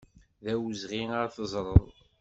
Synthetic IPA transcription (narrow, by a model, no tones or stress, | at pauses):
ðæwəzʁiəɾθəzˤɾˤəðˤ